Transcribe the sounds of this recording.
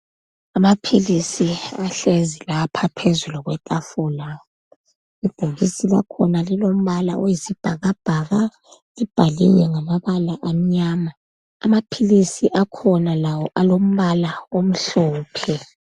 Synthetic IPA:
amapʰilisiaɬezilapʰapʰezuluɣwɛtʼafula | ib̥ʱoɣisila̰kʰɔnalilom̩βala̰ʔojisib̥ʱaɣab̥ʱaɣa | lib̥ʱalḭɲɛŋamaβalaʔam̩ɲaːma | amapʰilisiʔakʰɔnalawɔʔalom̩βalaom̩ɬɔːpʰɛ

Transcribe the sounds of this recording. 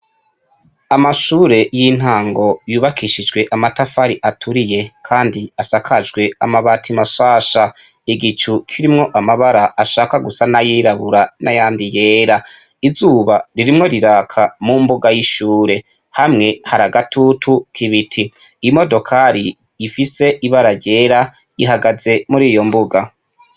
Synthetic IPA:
amaʃuːɾe̞jin̥haːŋɡo̞juːβakʰiʃid͡ʒɡwe̞ʔamatafaɾiʔatʰuɾije̞kʰaːndiasakʰad͡ʒɡwe̞amaβaːtʰimaʃaːʃa | iɡit͡ʃukʰiɾimŋo̞ʔamaβaɾaʔːʃaːkaɡusanajiːɾaβuɾanajaːndije̞ːɾa | izuːβaɾiɾimŋo̞ɾiɾakʰamumbuɡajiʃuːɾe̞ | hamŋe̞haɾaɡatʰutʰukʰiβitʰiː | mo̞do̞kʰaɾi | jːfise̞ʔiβaɾaɾɟe̞ːɾa | iɦaɡaze̞muɾiːjo̞mbuɡa

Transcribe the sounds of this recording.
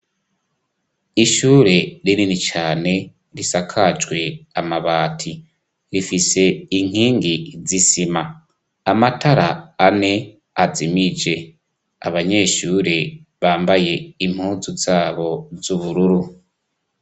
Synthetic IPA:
iʃuːɾe̞ɾininit͡ʃaːne̞ | ɾisakʰad͡ʒɡwe̞amaβaːtʰi | ɾifise̞iŋ̥hiːŋɡizisimaː | mataɾaːne̞ | azimid͡ʒe̞ | a̰βaɲe̞ːʃuːɾe̞βaːmbaje̞im̥huːzuzaːβo̞zuβuɾuɾu

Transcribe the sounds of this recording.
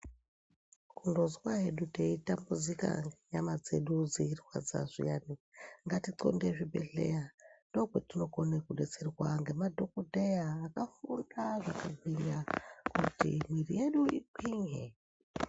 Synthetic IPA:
kundozwaɦeɗuteitambud͡zika̰ŋɡeɲamad͡ze̞ɗud͡ziirwa̰d͡za̰z̥ʷḭjaniŋɡatiǀo̰ndeʐibʱḛɮe̞̰jando̞kwetino̞ɡonekuɗet͡serwaŋɡe̞madʱokudʱejaːkafundaʐakabʱiɲɡakutḭmirije̞ɗuʔikiɲe

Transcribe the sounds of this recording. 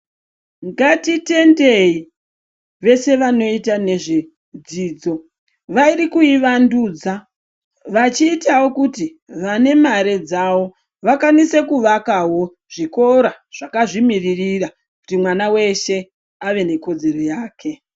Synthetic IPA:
ŋɡatite̞nde̞i | ʋe̞se̞ʋano̞itane̞ʐi | d͡ziːd͡zo̞ | ʋairikuiʋanduːd͡za | ʋat͡ʃiːtawo̞kuti | ʋane̞maɾe̞d͡zaʋo̞ | ʋakanise̞kuʋakaɦo̞ | ʐ̥iko̞ɾa | ʐ̥akaʐimiririra | ku̥timwanawe̞ʃe̞ | aʋe̞ne̞ko̞d͡ze̞ro̞jaːkʰe̞

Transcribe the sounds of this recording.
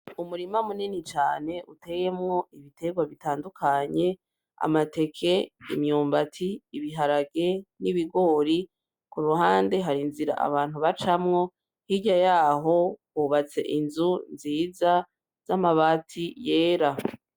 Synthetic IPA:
umuɾimamuninit͡ʃaːne̞ʔute̞je̞mŋo̞ʔiβitʰe̞ɡwaβitaːndukʰaɲe̞ | a̰mate̞kʰe̞ḭmɲuːmbatʰiːβiɦaɾaɡe̞niβiɡo̞ːɾi | kuɾuɦaːnde̞ɦaɾinziɾa̰ʔa̰βaːn̥huβat͡ʃamŋo̞ | hiɟajaːɦo̞kwuːβat͡se̞̰ʔinzunziːza | z̥amaβaːtʰije̞ːɾa

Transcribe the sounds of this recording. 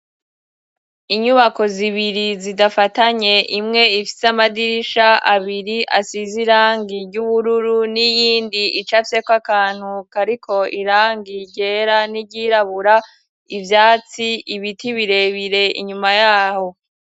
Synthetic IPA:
iɲuβako̞ziβiɾizidafataɲe̞ʔimŋe̞ifi̥seamadiɾiʃaaβiɾiʔasiziɾaːŋɡiɾɟuβuɾuɾunijiːndiit͡ʃafse̞kwakaːn̥hukaɾikʰo̞iɾaːŋɡiɟe̞ːɾaniɟiɾaβuɾa | ivjaːt͡siiβitiβiɾe̞βiɾe̞ḭɲumajaːho̞

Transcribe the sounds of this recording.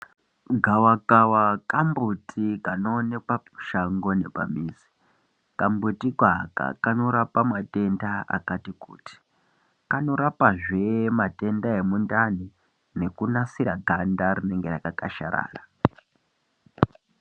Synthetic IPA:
ɡʱawakawakambutʰikanoːnepauʃaŋɡo̞ne̞pa̰miːzi̥ | kambutiɡʱaka̰kano̞ɾapamate̞ndaa̰katikṵːti̥ | kano̞ɾapaʐe̞mate̞ndae̞mundani | ne̞kunasiɾaɡʱandaɾine̞ŋɡe̞rakakaʃa̰ɾa̰ːra

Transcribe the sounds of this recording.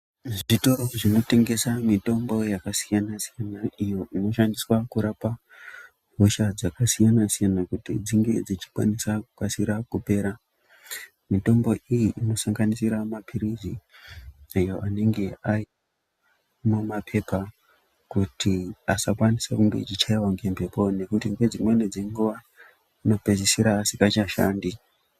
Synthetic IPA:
ʐitoroʐino̞te̞ŋɡe̞samito̞mbo̞jakasijanasijanaijo̞ʔino̞ʃandiswakuɾapa | ɦoʃad͡zakasijanasijanakutid͡ziŋɡe̞d͡zit͡ʃi̥kwa̰nisakukasiɾakupe̞ːɾa | mito̞mbo̞ʔijiʔino̞saŋɡanisiɾamapʰiɾizi | ajo̞ʔane̞ŋɡe̞ai | mumapʰe̞pa | kutʰiasakwanisakuŋɡe̞t͡ʃit͡ʃaiwaŋɡe̞mpe̞po̞ne̞kutiŋɡwe̞d͡zimwened͡zeŋɡuʋa | ino̞pe̞zisiɾaːsikat͡ʃaʃa̰ːndi

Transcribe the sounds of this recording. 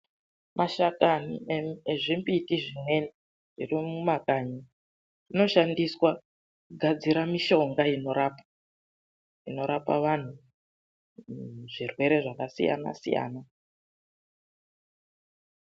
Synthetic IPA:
mʔaʃakanieʐimbitiʐine̞n | ʐirimumakaɲi | ino̞ʃandiswa | kuɡʱad͡ziɾamiʃo̞ŋɡaino̞ɾaːpa | ino̞ɾapa̰ʋan̤u | ʐirwe̞ɾe̞ʐakasḭja̰na̰sḭja̰ːna

